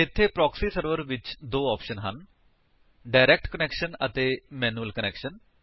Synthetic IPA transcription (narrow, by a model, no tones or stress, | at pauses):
ɪt̪ʰːeːpɾɔːksiːsəɾʋəɾʋɪt͡ʃd̪oːɔːpʃənɦən | ɖaːɪɾɛːk̚ʈkənɛːkʃənət̪eːmɛːnuːəlkənɛːkʃən